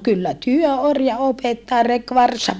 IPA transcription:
kylːæ tyø orjɑ opetːɑː rek ʋɑrsɑʋ̆

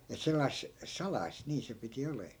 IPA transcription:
et selːɑis sɑlɑis niː se piti oleː

